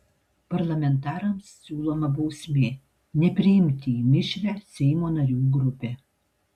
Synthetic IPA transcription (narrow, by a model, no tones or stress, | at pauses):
pɐɾlˠɐmʲɛnt̪ɑːɾɐmsːʲuːlˠoːmɐbɒʊsʲmʲeː | nʲɛpʲɾʲɪɪmʲt̪ʲɪimʲɪʃʲɾʲæːsʲɛɪmoːnɐɾʲuːɡɾʊpʲeː